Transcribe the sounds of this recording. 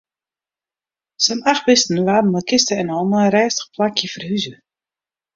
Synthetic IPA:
sənaxbɪstn̩laːdən̩əlˠkʰɪstəɛnɔlˠnəəɾɛːstə̥pʰlakʰjəfərhyzə

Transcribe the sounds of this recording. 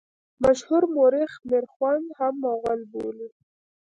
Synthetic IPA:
maʃhuɾmoɾɪxmeɾxwand̪hamːawɣalboli

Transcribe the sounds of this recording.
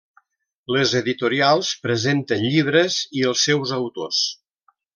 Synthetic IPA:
ləzəðit̪uɾialˠspɾəzent̪ənʎiβ̞ɾəziəlˠsːɛwzəwt̪o̰s

